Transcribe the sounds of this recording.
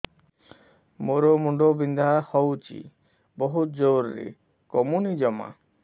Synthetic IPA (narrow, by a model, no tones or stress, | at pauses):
moɾomuɳɖobind̪ʱahɔwt͡ʃʰḭ | bɔɦut̪d͡ʒowɾɾḛ | kɔmunid͡ʒɔma̰